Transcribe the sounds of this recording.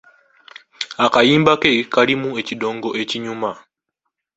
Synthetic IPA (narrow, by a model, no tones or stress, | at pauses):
akajiːmbakekalimue̞cido̞ːŋɡo̞ʔe̞ciɲuma